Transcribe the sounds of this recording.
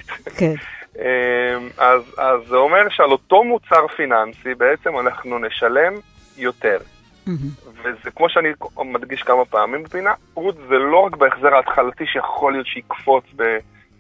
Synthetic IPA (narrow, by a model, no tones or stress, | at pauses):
emazazːeo̞me̞ʁʃealo̞t̪o̞mut͡saʁfinansibe̞et͡se̞manaχnune̞ʃale̞m | jo̞te̞ʁ | vezekmo̞ʃeanimad̪ɡiʃkamapaːmimbepina | ʁutzelo̞ʁakbeeχze̞ʁaːt̪χalatiʃejaχolijo̞t̪ʃeikfo̞t͡sbe